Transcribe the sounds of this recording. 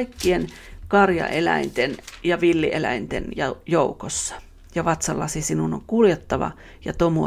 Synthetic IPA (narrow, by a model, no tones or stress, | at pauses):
ikːien | kɑrjɑ̰ʔelæ̰int̪enjɑʋilːiʔelæ̰int̪ḛnjɑjoukosːɑ̥ | jɑʋɑt̪sɑlːɑsisinuno̰ŋkuljet̪ːɑʋɑ̰ | jɑt̪omu